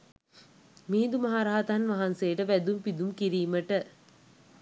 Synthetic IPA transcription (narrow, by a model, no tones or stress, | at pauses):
miːnd̪umɐɦaɾaɦat̪ɦanʋɐɦansejːʈəʋæd̪umpid̪umkiɾiːməʈə